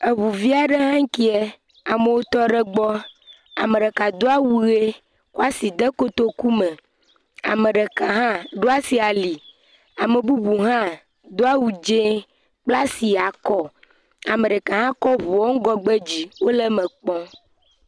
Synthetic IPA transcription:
e˨βu˨vi˦a˨ɖe˦ɦã˦ŋ̩˦ki˦ɛ˦ | a˨me˨wo˦t̪ɔ˦ɖe˦ɡ͡bɔ˦ | a̰˨me˨ɖe˨ka˨d̪o˦a˦wu˨˦ɣe˦ | ko˦a˦si˨d̪e˦ko˦t̪o˦ku˦mẽ˨ | a̰˨mẽ˨ɖe˨ka˨ɦã˦ɖo˦a˦si˨a˨li˨ | a˨me˨bu˦bu˨ɦã˦ | d̪o˦a˦wu˨d͡ʒẽ˦ | k͡pla˦si˨a˨kɔ˦ | a˨mẽ˨ɖɛ˨ka˨ɦã˦kɔ˦βo˨ɔ˦ŋ̩˦ɡɔ˦ɡ͡be˦d͡ʑi˨wo˦le˦mɛ̃˨k͡pɔ̃˦

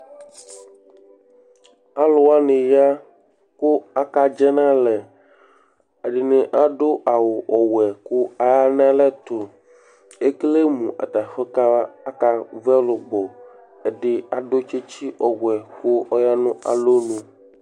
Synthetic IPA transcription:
a˦lo˦wa˦ne˨ja˦ | ko˦a˦ka˦d͡ʒɛ˦nã˦lɛ˨ | a˨ɖi˨nẽ˨ʔa˦ɖo˦ʔa˨wo˨ʔɔ˨wɛ˨ku˦a˨ja˦nã˦lɛ˦t̪o˨ | e˦kle˦mũ˨ʔa̰˨t̪a˨ɸe˦ka˦a˦ka˦vɛ˦lo˨ɡ͡bɔ˨ | e˨ɖɪ˦a˦ɖo˦t͡ʃe˦t͡ɕi˦ʔɔ˨wɛ˨xo˦ɔ˦ja˦nũ˦a̰˨lo˦nũ˨

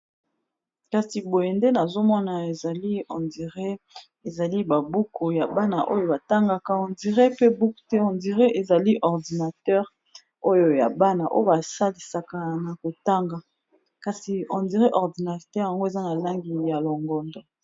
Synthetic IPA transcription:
ka˨si˨bo˨je˨nde˦na˨zo˦mɔ˦na˨e˨za˨li˦ɔ̰̃˨ndi˨ʁe˦ | e˨za˨li˦ba˨bu˦ko˨ja˨ba˦na˨ʔo̰˦jo˦ba˨ta˦ŋɡa˦ka˨ɔ̃˨ndi˨ʁɛ˦pe˦bu˦ktɛ˦ɔ̃˨ndi˨ʁɛ˦ʔe˨za˨li˦ʔɔ˨ʁdi˨na˨tɛ˦ʁ | o˦jo˨ja˨ba˦na˨ʔo̰˦jba˨sa˦li˨sa˨ka˨na˨ko˨ta˦ŋɡa˨ | ka˨si˨ɔ˨ndi˨ʁɛ˦ʔɔ˨ʁdi˨na˨tɛ˦ʁja˨ŋɡo˦e˨za˦na˨la˦ŋɡi˨ja˨lɔ˨ŋɡɔ˨ndɔ˨

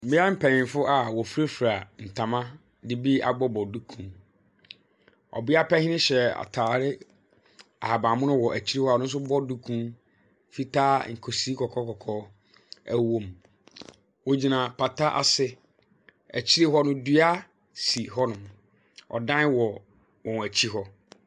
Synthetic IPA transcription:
m˨mɪ̃˦a˦m̩˦pʰæ˨nɪ̃˨nfʊ˦ʔa˨wɔ˨fu˦ɾe˦fu˨ɾa˨n̩˨tʰã˨mã˦ | dɪ˨bi˦a̰˨ɡ͡bɔ˦bɔ˨du˦kʰũ˨n | ɔ̰˨bɪ˦a˦pɛ˦hɪ̃˦nɪ̃˦ɕɛ˨a̰˨tʰaː˨ɾɪ˦ | a˨a˨bã˨mʊ̃˦nʊ̃˦wɔ˨ʔæ˨t͡ɕʰi˦ɾi˦hɔ˦a˨nʊ̃˦n̩˦s̬ʊ˦bɔ˦du˦kʰũ˦ | fi˦tʰaː˦ŋ̩˨kʰo˨si˨˦kʰɔ˨kʰɔ˦kɔ˨kʰɔ˦ | æ̰˦wõ˦m | wo˨d͡ʑi˨nã˨pʰa˨ta˦ʔa̰˨sɪ˦ | æ̰˨t͡ɕʰi˦ɾi˦ɦɔ˦nʊ̃˦dɥa˦ | si˨ɦɔ˦nʊ̃˨m | ɔ̰˨dã˦wɔ˨ | wɔ̃˨næ˨t͡ɕʰi˦ɦɔ˦

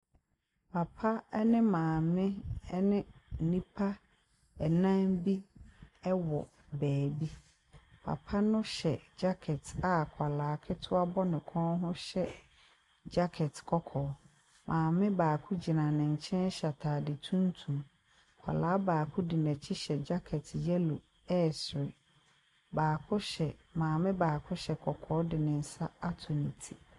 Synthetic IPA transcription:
pʰa˨pʰa˦ɛ˦nɪ̃˦mãː˨mɪ̃˦nɪ̃˦n̩˨nĩ˦pʰa˦ | ɛ˨nã˦mbi˦ɛ˦wɔ̰˨ | bæː˨bi˦ | pʰa̰˨pʰa˦nʊ̃˦ɕɛ˨d͡ʑa˦kʰɛ˨ta˨kʷʰa˨laː˨˦˨kʰɪ˦tʰʊ˦a˦bɔ˦nɪ̃˨kʰɔ̃˦nɦʊ̃˦ɕɛ˦ | d͡ʑa˦kʰɛ˨tkʰɔ˦kʰɔː˨˦ | mʔãː˨mɪ̃˦baː˨kʰʊ˦d͡ʑi˨nã˨nɪ̃˨ɲ̩˨t͡ɕʰɛ̃˦n˦ɕa˨tʰaː˨dɪ˨tʰũ˦ntʰũ˨m | kʷʰa̰˨laː˨˦baː˨kʰʊ˦di˨nɛ̃˨t͡ɕʰɪ˦ɕɛ˨d͡ʑa˦kʰɛ˨tjɛ˦lu˨ | ɛ˦˨sɾɪ˨ | baː˨kʰʊ˦ɕɛ˨mãː˨mɪ̃˦baː˨kʰʊ˦ɕɛ˨kʰɔ˨kʰɔː˦dɪ˨nɪ̃˨n̩˨sa˦a˦tʰʊ˨nĩ˨tʰi˦

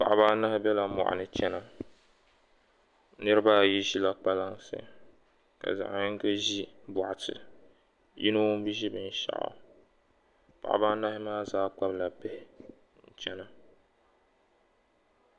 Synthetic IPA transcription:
pa̰˨ʔbaː˦na˦hɪ˦bɛ˦la˨mɔ̰˨ʔa̰˨nɨ˨t͡ʃɛ˦na˦ | nɨ˦ɾɨ˦baː˦˨ji˦ʒi˦la˦k͡pa˦la˦ŋsɨ̰˦˨ | ka̰˨za̰˨ʔnɪ˦ŋ˦ka˦ʒi˦bʊ˨ʔa˨tɨ̰˨ | jḭ˦no˦bi˦ʒi˦bɨ˨n˦ʃa̰˨ʔʊ̰˨ | pa̰˨ʔa̰˨baː˦na˦hɪ˦maː˦zaː˦k͡pa˦bla˨bɛ˦hɪ˨˦ | n̩˨t͡ʃɛ˦na˦

